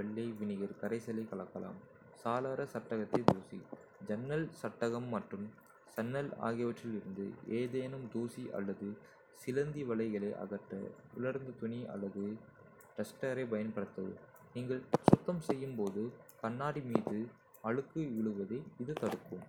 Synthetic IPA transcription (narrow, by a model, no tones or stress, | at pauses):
ʋɛɭːɐɪʋɪnɪɣɐɾkɐɾɐɪsɐlɐɪkɐɭɐkːɐla̰ːm | saːðaːɾɐsɐʈːɐɣɐt̪ːɐɪd̪uːsḭ | d͡ʒɐnːɐlsɐʈːɐɣɐmːɐʈrɯm | sɐnːɐla̰ːɣɪjɐʋɐʈrɪlɪɾɯnd̪ɯ̰eːðeːnɯmd̪uːsiʔɐ̰lːɐðɯ | sɪlɐnd̪iʋɐɭɐɪɣɐɭɐɪʔɐ̰ɣɐʈːɐ̰ | ʊlɐɾnd̪ɐt̪ʊniʔɐ̰lːɐðɯ | ʈɐsʈɐɾɐɪpɐjɐnpɐɽɯt̪ːɐðɯ̰ | niːŋɡɐɭsʊt̪ːɐmsɛjːɯmpoːðɯkɐnːaːɽimiːðɯ | ɐɻɯkːɯɪɭɯʋɐðɐɪɪðɯt̪ɐɽɯkːɯm